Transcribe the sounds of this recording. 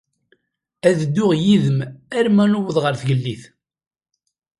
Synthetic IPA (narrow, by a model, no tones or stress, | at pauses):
æðd̪ːʊʁjiðəmæɾmænuwəðˤʁəɾθʝəlːiθ